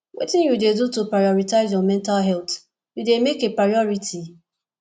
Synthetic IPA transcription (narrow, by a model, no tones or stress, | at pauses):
wʔḛtɪ̃njudedutopɹajɔɹitaɪzjɔmɛ̃ntalɦɛlt | judemekepɹajɔɹitʰi